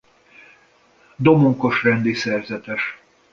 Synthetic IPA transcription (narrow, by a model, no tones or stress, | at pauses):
d̪o̞moŋko̞ʃrɛnd̪isɛrzɛt̪ɛʃ